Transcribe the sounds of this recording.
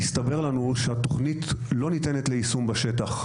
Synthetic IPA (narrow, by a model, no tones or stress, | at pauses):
ist̪abe̞ʁlanuʃeat̪o̞χnit̪lo̞nit̪e̞net̪le̞isumbaʃe̞t̪aχ